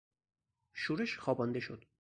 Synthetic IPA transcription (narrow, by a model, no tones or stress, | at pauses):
ʃuːɾeʃxɒːbɒnd̪eʃod̪